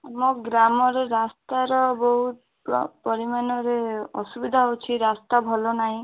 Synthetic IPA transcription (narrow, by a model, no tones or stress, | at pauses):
mɔɡɾamɔɾeɾast̪aɾɔboɦut̪ | pɔ̰pɔɾimanɔɾeɔ̰subid̪ʱaɦowt͡ʃʰiɾast̪abʱɔlonaɦĩ